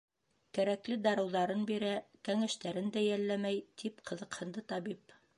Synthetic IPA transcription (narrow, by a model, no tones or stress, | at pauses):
kæɾæklɘd̪ɑɾɤ̆wðɑɾɤnbiɾækæŋæʃt̪æɾɘnd̪æjælːæmæjt̪ʰipqʰɤ̆ðɤ̆qhɤ̆nd̪ɤt̪ɑbip